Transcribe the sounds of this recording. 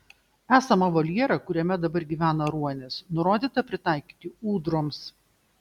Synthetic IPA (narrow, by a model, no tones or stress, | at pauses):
æːsɐmɐʋɐlʲiɛɾɐkʊɾʲɛmʲɛd̪ɐbɐɾɡʲiːʋʲæːnɐɾuɔnʲɛsnʊɾoːd̪ʲiːt̪ɐpʲɾʲɪt̪ɑˑɪkʲiːt̪ʲɪuːd̪ɾoːms